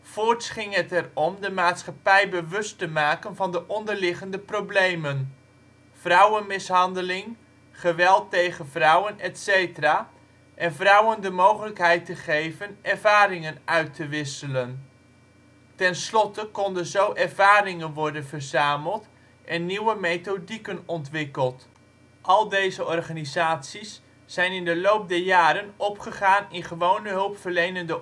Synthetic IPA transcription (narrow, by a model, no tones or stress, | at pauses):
v̥ʊːɹtsχɪŋɦətɛrɔmdəmaːtsχɑpɛjbəʋɵstəmaːkənvɑndəʔɔndəɹlɪχəndəprowblejmən | v̥rʌwənmɪsɦɑndəlɪŋ | χəʋɛlˠtejχənvrʌwənɛtsejtəraː | ʔɛnvrʌwəndəmowχələkɦɛjtəχejvənʔɛɹvaːɾɪŋənʔœɥtəʋɪsələn | tɛnslɔtəkɔndənzowʔɛɹvaːɾɪŋənʋɔɹdənvərzaːməlˠt | ʔɛnːiwəmejtodikənɔntʋɪkəlˠt | ʔɑlˠdejzəɔɹχaːnizaːtsisː | ɛjnɪndəlowp̚dɛɹjaːɾənɔpχəχaːnɪnχəʋownəɦɵlˠpfərlejnəndə